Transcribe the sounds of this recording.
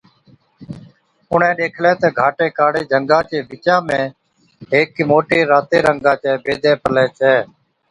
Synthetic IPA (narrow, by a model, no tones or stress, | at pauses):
ʊɳ̤ɛ̃ːɗeːkʰlɛ̃ːt̪eːɡʱaːʈeːkaːɽeːd͡ʒʱəŋɡãːt͡ʃeːbɪt͡ʃãːmẽː | ɦeːkmoːʈeːɾaːt̪eːɾəŋɡãːt͡ʃɛːbeːd̪ʱɛ̃ːpəlɛːt͡ʃʰɛː